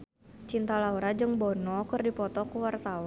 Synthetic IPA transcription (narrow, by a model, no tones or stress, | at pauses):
t͡ʃint̪alauɾad͡ʒɨŋbɔnɔkɨrdipɔt̪ɔkuwart̪aw